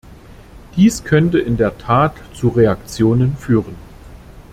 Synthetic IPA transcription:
d̥iːskʰœntəʔɪndeːɐtʰaːtt͡suʁeakt͡sjoːnənfyːʁən

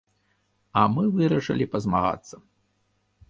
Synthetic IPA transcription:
ɐmɨvɨɾɐʂɐ̰lʲipɐzmaɣa̰t̪sːɐ

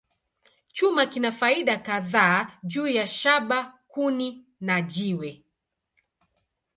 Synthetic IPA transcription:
t͡ʃumakinafaiɗakaðaːʄuːjaʃaɓakuni | naʄiwɛ

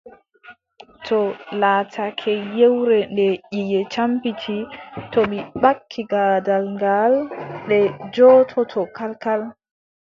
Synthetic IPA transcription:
tʰɔlaːtʰakʰɛjewɾɛndɛʔijɛt͡ʃampitʰitɔmiɓakʰːiɡaːdalŋɡalɗɛd͡ʒɔtʰɔtʰɔkalkal

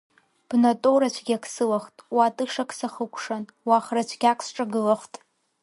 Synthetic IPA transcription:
b̥natʼoɾat͡ʃʷʰɡʲakʰsɨlaχtʼwatʼɨʂakʰʼsaχəkʷʰʼʂan | waχrat͡ʃʷʰɡʲakʼsʈ͡ʂʼaɡɨlaχtʼ

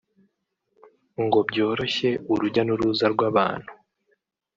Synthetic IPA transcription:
ŋɡo̞bɟo̞ːɾo̞çe̞uɾuɟanuɾuzaɾɡwaːβa̰ːn̥hu

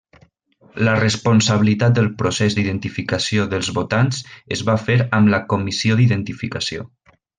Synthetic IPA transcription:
lərəspunsəβilit̪at̪̚d̪əlˠpɾusɛzd̪iðənt̪ifikəsioðəlˠzβot̪anzəzβafeɾəmləkumisioðiðənt̪ifikəsio

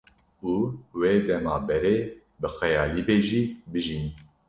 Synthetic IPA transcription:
uːweːd̪ɛmɑːbɛɾeː | bɨxɛjɑːliːbeːʒiːbɨʒiːn

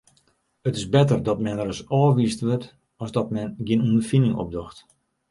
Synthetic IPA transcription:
ətɪsbɛtərdɔtmɛnəɾəsɔːʋistʋøt | ɔszdɔtmɛnɡɪənundərfinɪŋɔ̰p̚dɔxt

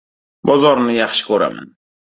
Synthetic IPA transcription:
bɔzɔɾnijaχʃkoɾa̰m̰n

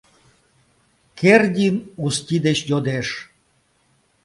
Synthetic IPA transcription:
kerdʲinustʲid̪et͡ɕjod̪eʂ

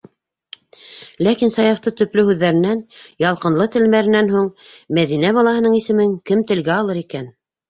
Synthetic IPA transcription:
lækinsɑjɑft̪ɤt̪ɵ̆plɵhʉðːæɾɘ̆nænjɑlˠqɤ̆nlˠɤt̪ɘ̆lmæɾɘ̆nænɦuɴmæðinæβɑlˠɑhɤ̆nɤɴisɘ̆mɘŋkɘmt̪ɘ̆lɡæɑlˠɤɾikæn

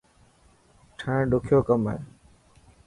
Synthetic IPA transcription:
ʈʰãːɖʊkʰjoːkəma̰eː

